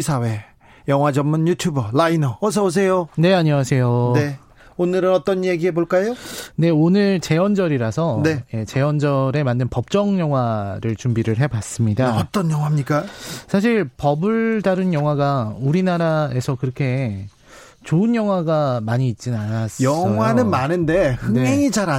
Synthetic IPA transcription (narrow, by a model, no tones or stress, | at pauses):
isʰawe̞ | jʌŋɦwad͡ʑʌmːɯnjutʰjubʌlainʌos̬ʰʌbos̬ʰe̞jone̞aɲiŋasʰe̞jone | onɯɾɯnʌt͈ʌnjeɡiɦeboɭk͈ajone̞onɯɭt͡ɕe̞wʌnd͡ʑʌɾiɾasʰʌnejet͡ɕe̞wʌnd͡ʑʌɾe̞mandɯnpʌp̚t͡ɕ͈ʌŋjʌŋɦwaɾɯɭt͡ɕumbiɾɯɭɦe̞bas͈ɯmɲidaʌt͈ʌnjʌŋwamɲik͈asʰaɕ̬ʰiɭpʌbɯɭdaɾɯnjʌŋɦwaɡauɾinaɾae̞sʰʌkɯɾʌkʰe̞ | t͡ɕoɯnjʌŋɦwaɡamaɲiːt̚t͡ɕ͈inanas͈jʌŋɦwanɯnmanɯnde̞hɯeŋeŋid͡ʑaɾa